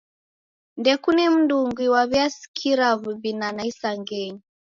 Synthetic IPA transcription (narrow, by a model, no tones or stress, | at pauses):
ndɛkunim̩nduŋɡwiwaβjasi̥kʰiɾaβuβinanaisaŋɡɛɲi